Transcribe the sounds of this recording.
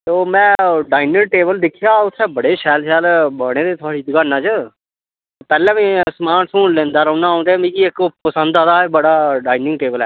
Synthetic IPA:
t̪oːmɛ̃ːɖaːɪnəŋ̚ʈeːbəld̪ɪkʰːɪjaːʊt̪ʰːẽːbəɽeːʃɛːlʃɛːlbəɽ̃ẽːd̪eːt̪ʰʊaːɽiːd̪əɡaːnːãːt͡ʃə | pɛːlɛ̃ːʋĩːsmaːnsʰũːnlẽːnd̪aːɾəːnaːãːnd̪ẽːmĩːkiɪkpəsənd̪aːd̪aːebəɽaːɖaːinɪ̃ŋɡʈeːbəlɛː

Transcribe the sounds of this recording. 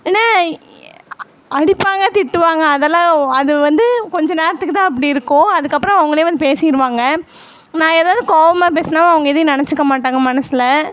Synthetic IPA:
eːnːaː | ɐɽɪpːaːŋɡɐt̪ɪʈːɯʋaːŋɡɐːðɐlãːɐðɯʋɐnd̪ɯkɔɲd͡ʒɐ̃neːɾɐt̪ːɯkːɯt̪ãːɐp̬ːɐɽiɪɾɯkːõɐðɯkːɐpːɯɾɔ̃ɐʋɐŋɡɐɭeːʋɐnd̪ɯpeːsɪjɪɾɯʋaːŋɡɐ | nãːeːðaːðɯkoːʋɐmaːp̬eːsɐnaːmːɐʋɐŋɡɐɪðɐnɐɳɐt͡ʃːɯkːɐmaːʈːaːŋɡɐmɐnɐsɪlɐ

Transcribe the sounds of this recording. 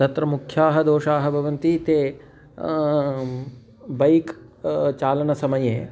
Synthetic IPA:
t̪ɐt̪ɾɐmukʰjaːɦɐd̪oːʃaːɦɐ̆bʱɐʋɐnt̪it̪eː | bɐjk | t͡ʃaːlɐnɐsɐmɐjeː

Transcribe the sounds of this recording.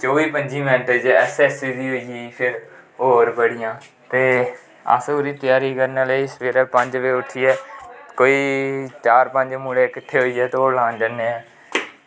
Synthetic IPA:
t͡ʃoːʋiːpəɲd͡ʒĩːmɛ̃ːnʈəd͡ʒɛːsɛːsiːd̪iːɦoːiiːpʰɪɾɦoːɾbəɽɪjãː | t̪eː | ə̰soːɾiːt̪ɪjaːɾiːkəɾneːleisʋeːɾɛːpəɲd͡ʒʋeːʊʈʰiːɛːkoːiːt͡ʃaːɾpə̃ɲd͡ʒmuɽekɪt̪ʰːeːɦoːiːɛːt̪ːɦoːɾlãːnd͡ʒənːeːɛː

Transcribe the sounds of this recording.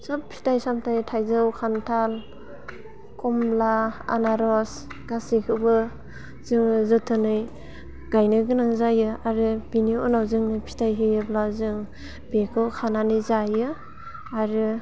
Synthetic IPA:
sap̚pʰi̥tajsamtʰajtʰajzɯwkʰantʰal | kʰɔmblaa̰naɾɔs | ɡ̥asikʰɯbɯ | z̥ɯŋzɯtʰɯnɯj | ɡ̥ajnɯɡɯnaŋzajɯaɾɯbiniɔnawzɯŋnɯpʰi̥tʰajɦijɯblazɯŋ | b̥ekʰɯwkʰananɯjzajɯ | aɾɯ

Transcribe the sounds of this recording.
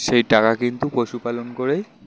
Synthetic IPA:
ʃejʈakakint̪upoʃupalɔnkoɹej

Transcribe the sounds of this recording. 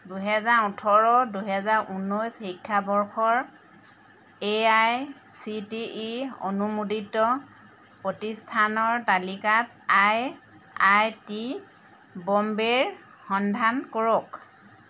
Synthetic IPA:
duɦɛzaɹutʰɔɹɔduɦɛzaɹʔunːɔjsxikʰːabɔɹxɔɹ | eaj | sitio̰numuditɔ | pɹotistʰanɔɹtalikat | aj | ajti | bɔmbeɹ | xɔndʱankɔɹɔk

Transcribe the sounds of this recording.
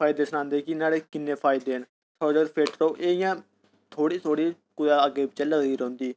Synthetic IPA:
pʰaːɪd̪eːsənãːnd̪eːkɪnaːɽeːkɪnːẽːpʰaːɪd̪eːɦən | sɔːd͡ʒəɾpʰeːʈɾoːʔeːɪjãː | t̪ʰoːɽiːt̪ʰoːɽiː | kʊdaːəɡeːbɪt͡ʃɛːləɡiːɾɦõːnd̪iː

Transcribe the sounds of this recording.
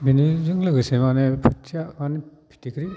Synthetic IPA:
binizɯŋlɯɡɯsemanepʰɯtʰːijamanipʰi̥tikʰɾi

